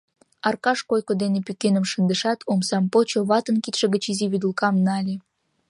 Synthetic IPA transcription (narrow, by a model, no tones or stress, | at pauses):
ɑrkɑʃkojkod̪enepykenəmʃənd̪əʃɑt̪ʰomsɑmpot͡ɕoβɑt̪ənkit̪ʃə̆ɣət͡ɕiziβyd̪əlkɑmnɑlʲi